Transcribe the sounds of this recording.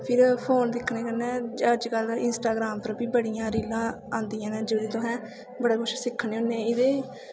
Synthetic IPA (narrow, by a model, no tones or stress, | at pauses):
pʰɪɾpʰoːnd̪ɪkʰːneːkəɾnɛ̃ːd͡ʒəd͡ʒkəlɪnsʈaːɡɾaːmpəɾbiːbəɽijãːɾiːlãː | ãːnd̪ijãːnẽːd͡ʒeːɽeːt̪ʊɦɛ̃ː | bəɽaːkʰʊt͡ʃʰsɪkʰːneːɦʊ̃nːẽːɪd̪eː